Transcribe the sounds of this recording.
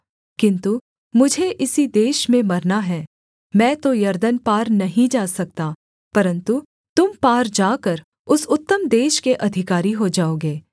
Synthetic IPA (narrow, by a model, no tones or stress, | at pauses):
kɪ̃nt̪u | mʊd͡ʒʱeʔɪsid̪eːʃmẽmɐɾnaɦɛː | mɛ̃ːt̪ojɐɾd̪ənpaːɾnɐɦĩd͡ʒaːsɐk̚t̪aː | pɐɾə̃nt̪u | t̪ʊmpaːɾd͡ʒaːkəɾ | ʊsʊt̪ːəmd̪eːʃkeʔɐd̪ʱɪkaːɾiɦod͡ʒaːoːɡeː